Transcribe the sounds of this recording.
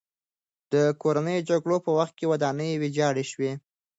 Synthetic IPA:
d̪̥əkoɾanəjod͡ʒaɡɽopəwaxt̪̚kewad̪ɑnəjwed͡ʒɑɽeʃwe

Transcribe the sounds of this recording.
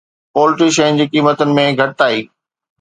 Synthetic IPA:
poːlɪʈiʃẽːnd͡ʑikiːmət̪ʊnɪ̆mẽɡʱɐʈɪt̪aːiː

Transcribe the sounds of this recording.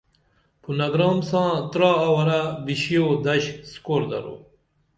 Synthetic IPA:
punɐɡɾɑːmsãːt̪ɾɑːɐwɐɾabiɕijod̪ɐɕskoːɾd̪ɐ̰ɾo̰ː

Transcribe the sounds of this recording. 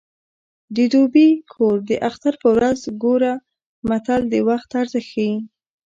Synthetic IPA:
d̪əd̪obikʰoɾd̪əʔaxt̪aɾpəwɾazɡoɾa | mat̪ald̪əwaxt̪aɾzaxaji

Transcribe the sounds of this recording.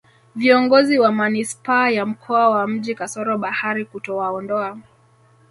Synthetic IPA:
viɔŋɡɔziwamanispaːjam̩kʰɔawam̩ʄikasɔɾɔɓahaɾikutɔwaɔndɔa

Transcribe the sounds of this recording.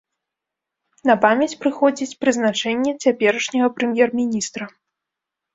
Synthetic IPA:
nɐpamʲjɐt͡sʲpɾɨxɔd͡zʲit͡sʲpɾɨznat͡ʂɛnʲːɛt͡sʲapʲɛɾɐʂnʲɐɣɐpɾɛmʲjɛrmʲinʲist̪ɾɐ

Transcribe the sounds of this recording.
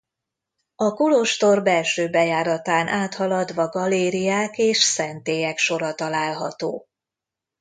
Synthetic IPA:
ɒkuloʃt̪o̞rbɛlʃøːbɛjaːɾɒt̪aːnʔaːt̪hɒlɒd̪ʋɒɡɒleːɾijaːkeːʃsɛnt̪eːjɛkʃo̞ɾɒt̪ɒlaːlɦɒ̰t̪o̰ː

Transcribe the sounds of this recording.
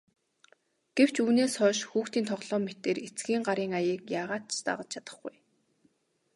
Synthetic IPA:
ɡ̥ew̥t͡ɕuːneːsχœːʃxuːxt̪iːnt̪ʰɔʁɮɔːmet̪eːret͡sɡiːŋɢaɾiːŋajiːkjaːʁaːt̪̚t͡ɕʰt̪a̰ʁə̆t͡ɕt͡ɕʰat̪ə̥̆χɡuj

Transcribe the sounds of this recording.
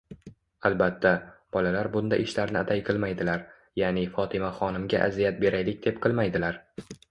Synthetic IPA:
albat̪ʰːab̥ɒlalaɾbʊnd̪aʔɪʃlaɾnɪat̪ʰajqʰɨlˠmajd̪ɪlaɾ | jaːnɪfɒt̪ʰɪmaχɒnɪmɡʲa̰ʔazijat̪̚be̞ɾajlɪk̚ʲd̪̥e̞p̚qʰɨlˠmajd̪ɪlaɾ

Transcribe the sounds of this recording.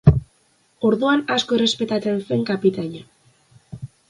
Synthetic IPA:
o̞ɾðuanasko̞ere̞spe̞t̪at͡se̞nse̞ŋkapit̪aʎa

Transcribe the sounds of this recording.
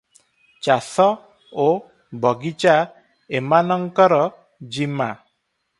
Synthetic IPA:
t͡ʃasɔ | o | bɔɡit͡ʃa | emanɔŋkɔɾɔ | d͡ʒima

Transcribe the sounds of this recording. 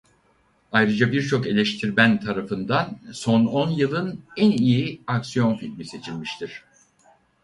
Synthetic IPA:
ajɾɯd͡ʒabiɾt͡ʃʰo̞ke̞lʲeʃt̪ʰiɾmænt̪ʰaɾafɯnd̪anso̞no̞njɯlˠɯnænijiaksijo̞nfilʲmise̞t͡ʃʰilʲmiʃt̪ʰiɾ̥

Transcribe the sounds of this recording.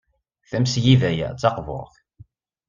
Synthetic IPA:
θæmsjivæjæ̰t͡sːɑqvo̰ʁθ

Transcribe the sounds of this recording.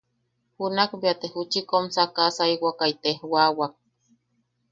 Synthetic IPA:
hunakbiat̪ehut͡ʃikomsakasaiwakait̪ehwawak̚

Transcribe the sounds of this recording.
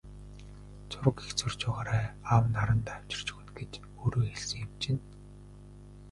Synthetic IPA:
t͡sʰʊɾə̆kext͡sɵrt͡ɕʊːʁaːɾaːawnaɾə̆nt̪aw̥ʲt͡ɕɪ̆r̥t͡ɕɵ̥̆xɵ̆nɡet͡ɕ | oːɾoːxeɮsɘ̆ŋemt͡ɕɪ̆n

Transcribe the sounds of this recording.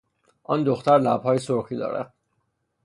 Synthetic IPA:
ʔɒnd̪oxt̪æɾlæb̥hɒːjesoɾxiːd̪ɒ̰ːɾæ̰d̪̥̚

